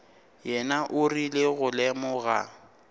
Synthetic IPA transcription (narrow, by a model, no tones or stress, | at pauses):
jɛnaʔʊrilɪɣʊlɛmɔɣa̰